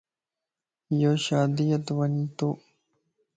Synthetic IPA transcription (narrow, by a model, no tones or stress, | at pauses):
joɕaːd̪ijɐt̪wɐnit̪o